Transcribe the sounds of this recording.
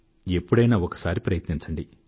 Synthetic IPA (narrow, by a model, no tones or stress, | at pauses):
e̞pːuɽɐjnaːɔkɐ̥saːɾipɾɐjɐt̪niɲt͡ʃɐɳɖi